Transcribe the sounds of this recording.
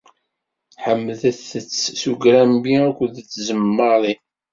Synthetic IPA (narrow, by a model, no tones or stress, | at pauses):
ħəmːðəθət͡sːsuɡɾæmbiækʷəd̪t͡sːzəmːəðˤi